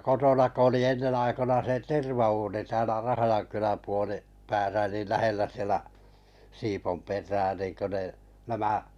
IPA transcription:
kotonɑ ko oli enːen ɑikonɑ se terʋɑuːni tæːlæ rɑhɑjɑŋkylæm puoli pæːsæ niːl læhelːæ sielæ siːpomperˑæː niˑŋkø ne næmæ

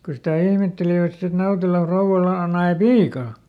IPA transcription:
ko sitæ ihmetːeliʋæt sit et nɑutelɑ frouw̆ɑlɑ o nɑe piːkɑ

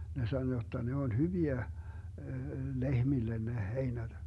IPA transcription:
ne sɑno jotːɑ ne olʲ hyʋiæ lehmilːen ne heinæd̥

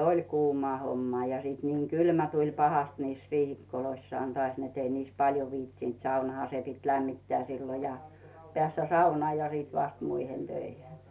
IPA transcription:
olʲ kuːmɑː homːɑː jɑ siˑt niːŋ kylmæ tulʲ pɑhɑst niːs riːhikːoloisːŏɑˑn toɑˑs net ei niːs pɑljo ʋiːtsint sɑunɑhɑ se pit læmːitːeæ silːo jɑ peæˑsːæ sɑunɑː jɑ siˑt ʋɑst muihen tøihen

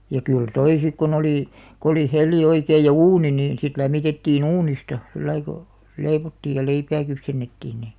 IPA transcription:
jɑ kyl toi sik kon oliˑ k oli helˑi oikeij jɑ uːni niːn sit læmːitetːiːn uːnistɑ silːɑi ko leiʋotːiːj jɑ leipæː kypsenːetːiːn ni

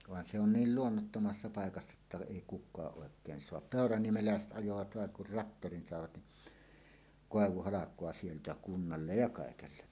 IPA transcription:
ʋɑn se on niːl luonːotːomɑsːɑ pɑekɑsːɑ etːæ eˑi kukˑɑːʔ ʔoˑekˑeːn soɑp peˑorɑniemelæˑeset ʔɑjoʋɑt ʋɑˑeŋ kur rɑtːorin sɑˑeʋɑt ni koˑeʋuhɑlɑkˑoɑ sieltæ kunːɑlːej jɑ kɑˑekelːe

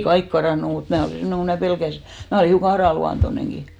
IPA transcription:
kɑik kɑrɑˑnːu mut mæː oliˑ semːoneŋ ko mæː pelkæsi mæː oliˑ hiukɑ ɑrɑˑluɑntoneŋki

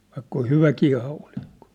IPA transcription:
ʋɑikːɑ oh̆ hyʋækiː hɑulikːo̥

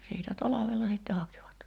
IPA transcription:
siːtæ tɑlɑʋelːɑ siˑtːe hɑkiʋɑt

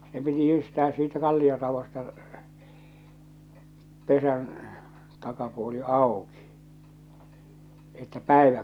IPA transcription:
se piti jyːstæː siːtæ kɑlːiorɑʋostɑ pesæn tɑkɑpuoli ɑˑoki etːæ pæˑeʋæ

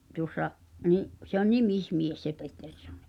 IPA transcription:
tuŏsːɑ niʔ se on nimismies se petːersːonːi̥

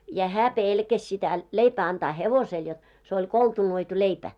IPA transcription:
jɑ hæː peˑlkæs sitæ leipæː ɑntɑː heʋosel jot se olʲ koltunoitu leipæ

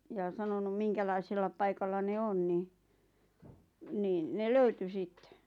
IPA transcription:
jɑ sɑnonum miŋkælɑiselːɑ pɑikɑlːɑ ne on ni niːn ne løyty sitːe̥

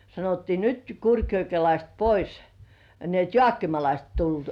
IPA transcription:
sɑnotːiː nyt kurkjokelɑist pois ni et joɑˑkːimɑlɑist tulːuoˑt

